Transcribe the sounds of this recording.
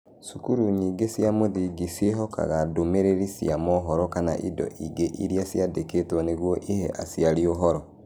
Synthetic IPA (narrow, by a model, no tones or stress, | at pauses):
sukuɾuɲiːŋɡesjamoðiɡiseɦɔka̰ɣadomeɾeɾisḭamɔɦɔɾɔkana̰ʔḭdɔ̰ʔiɡeʔiɾiasjadeketwɔneɣwɔʔihɛ̰ʔasjaɾioɦɔɾɔ